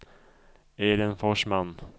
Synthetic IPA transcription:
eːɾənfɔʂman

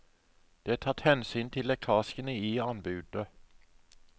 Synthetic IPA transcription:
d̪̥ɛt̪ʰɑt̪hɛnsyːnt̪ʰɪlɛk̪ʰɑːskənəiːɑnbʉːd̪ə

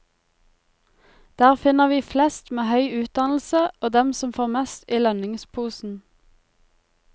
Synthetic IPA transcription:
d̪̥æːʁfɪnəʁʋiːflɛst̪meːhœʏʉːt̪̚d̪ɑnl̩səoːd̪ɛmsɔmfoːʁmɛst̪iːlœnɪŋspʰuːsn̩

